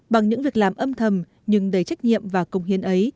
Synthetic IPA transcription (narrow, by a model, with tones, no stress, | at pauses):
ɓa˨˩ŋɲɨ̰˧˥ŋvi˨˩ək̚laː˨˩mʔə˧mt̪ʰə˨˩m | ɲɨ˧ŋɗə˧˩jt͡ɕa˦˥jk̟̚ɲḭ˧˨əmvaː˨˩kə˨˧˩wŋ͡mhi˨˦ənʔə˨˦j